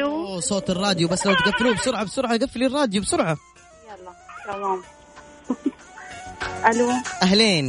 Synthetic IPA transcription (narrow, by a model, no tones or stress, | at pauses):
uosˤoːt̪ɪrˤːɑːd̪jubasːlawt̪ɡafːɪluːbɪsˤʊɾʕɑbɪsʊɾʕɑɡafːɪliːrˤːɑːd̪jubɪsʊɾʕɑ | jalˤːɑt̪amaːm | ʔaluːʔaɦleːn